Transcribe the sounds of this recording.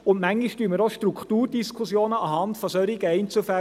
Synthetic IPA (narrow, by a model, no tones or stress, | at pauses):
ʊnmæŋːiʃtyːəmɪɾoʃtrukχtuːrd̥iskʰʊsjoːnəʔɑhɑntfɔsœɾiɡəɛɪnt͡sufæ